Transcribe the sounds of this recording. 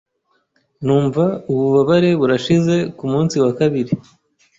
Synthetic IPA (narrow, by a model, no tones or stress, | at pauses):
nuːɱvauβuβaβaɾe̞βuɾaʃize̞kumuːnsiwakaβiɾi